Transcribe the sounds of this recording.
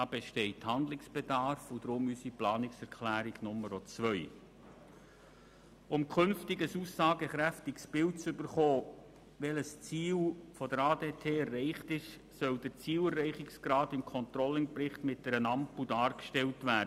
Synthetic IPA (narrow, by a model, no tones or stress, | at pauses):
dɑːb̥ɛʃtɛɪthɑnd̪lɪksb̥edɑɾfud̥ɾʊmysiplɑːnɪksɛɾkʰlæːɾiɡ̥nʊməɾɔt͡sʋœʏ | ʊmkʰɵnftɪɡəsusɑːɡəχɾæftɪksb̥ɪlt͡sʏbəɾχoː | ʋɛləst͡siːlfɔdəɾɑːdeːtʰeːɛrːɛɪχtɪʃ | sœld̥əɾt͡siːlərːɛɪχɪksɡ̥ɾɑːdɪmkʰɔntɾɔlɪŋpɾɪχtmɪt̚d̥ɛɾənɑmpudɑːɾkʃtɛltʋæːd